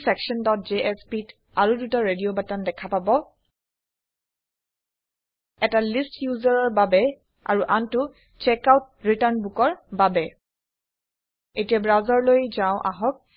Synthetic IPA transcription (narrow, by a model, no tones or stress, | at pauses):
sɛkʃɔndɔt̚d͡ʒeʔɛspit | aɹudutaɹediobatandɛkʰapabɔ | ɛtalistjuzaɹɔɹbabɛ | a̰ɹuʔantʊ | t͡ʃɛkawt̚ɹitaɹnbukɔɹbabɛ | etijabɹazaɹlojzaʊ̃ʔa̰ɦɔk̚